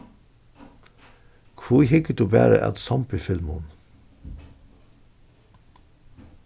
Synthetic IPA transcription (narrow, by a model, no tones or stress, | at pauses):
kʰʋuːhɪkəd̪uːbæ̰ːɾə̰ʔæ̰t̪sɑmpɪfɪlmʊn